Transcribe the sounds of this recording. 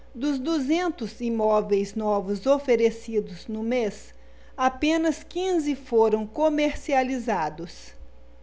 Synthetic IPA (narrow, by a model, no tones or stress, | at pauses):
d̪ʊzd̪uzẽnt̪ʊzimɔvejznɔvʊzofeɾesid̪ʊznʊmes | apẽnɐskĩzɪfoɾɐ̃w̃komeɾsializad̪ʊs